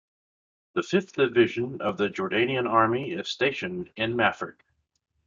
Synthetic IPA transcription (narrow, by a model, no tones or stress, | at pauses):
ðɨfɪfθd̥ɨvɪʒɨ̃nʌ̰vðɨd͡ʒə˞dẽɪ̃ñiɨ̃nɑɹmiɪz̥steɪʃɨ̃nɪ̃nmæfɹɨ̰k̚